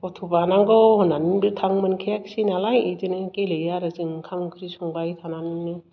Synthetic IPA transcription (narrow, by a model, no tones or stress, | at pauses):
ɔtʰubanaŋɡɔhɔnanbɯtʰaŋmɯnkʰeaksinalajidɯnɯkelejaɾazɯŋkʰamkʰɯɾisɔŋbajtʰananɯnnɯ